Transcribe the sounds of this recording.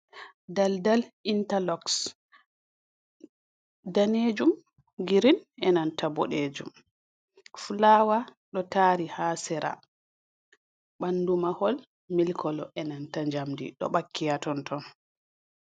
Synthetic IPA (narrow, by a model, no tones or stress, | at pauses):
daldalintalɔks | daneːd͡ʒum | ɡiɾinɛnantabɔɗeːd͡ʒum | fulawaɗɔtaːɾihaːsɛɾa̰ | ɓandumahɔl | milkʰɔlɔʔɛnantaɲd͡ʒamdḭɗɔ̰ɓakːijatɔntʰɔn